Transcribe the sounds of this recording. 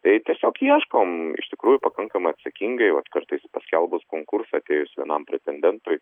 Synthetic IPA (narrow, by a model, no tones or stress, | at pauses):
t̪ɐɪt̪ʲiɛsʲoːkiɛʃkoːmɪ̰ʃt̪ʲɪkɾuːjʊpɐkɐŋkɐmɐɪɐt̪ʲsɐkʲiŋɡɐɪʋɐt̪kɐrt̪ɐɪspɐsʲkʲɛlˠbʊskoːŋkʊrsɐːɐt̪ʲeːjʊsʲʋʲiɛnɐmpʲɾʲɛt̪ʲɛnʲd̪ʲɛnt̪ʊɪ